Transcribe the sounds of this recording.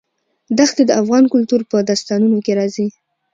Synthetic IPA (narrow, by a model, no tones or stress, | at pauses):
d̪axt̪ed̪əafɣɑnkʊlt̪uɾpəd̪ɑst̪ɑnunokeɾɑzi